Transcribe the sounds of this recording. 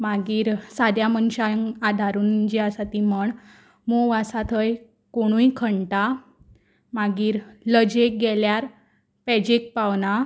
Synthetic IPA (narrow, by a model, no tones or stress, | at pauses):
maɡiːɾsad̪jamənɕajəŋad̪ʱaɾuːnd͡ʑiasat̪iməɳ | moʋasat̪ʰəj | koɽ̃ũjkʰəɳʈa | maɡiːɾləd͡ʑek̚ɡɛljaɾ | pɛd͡ʑek̚pawna